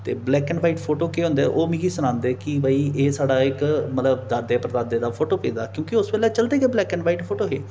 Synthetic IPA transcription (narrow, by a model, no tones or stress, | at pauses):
t̪ḛːblɛːkəɳɖʋaːiːʈpʰoːʈoːkeːɦʊ̃nd̪ḛːʔoːmĩːɡiːsʊnãːnd̪eːkɪbəːiːeːsaːɖaːɪkmət̪ləbd̪aːd̪eːpɾəd̪aːd̪eːd̪aːpʰoːʈoːpḛːd̪aːkjõːkɪʊsbeːlɛːt͡ʃəld̪eːɡeːblɛːkəɳɖʋaːiːʈpʰoːʈoːɦeː